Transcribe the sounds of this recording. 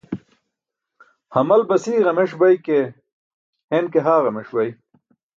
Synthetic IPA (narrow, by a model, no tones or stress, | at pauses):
hɐmɐlbɐsiːɣɐmeʂbɐjke | henkeɦaːɣɐmeʂbɐj